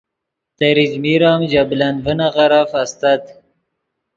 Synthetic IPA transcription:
t̪aɾid͡ʒmiɾɑːmd͡ʒabland̪vənaɣaɾafast̪at̪

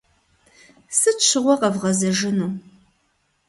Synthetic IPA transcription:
sɨʃɨʁʷɔqɐvʁɐzɐʒɨnum

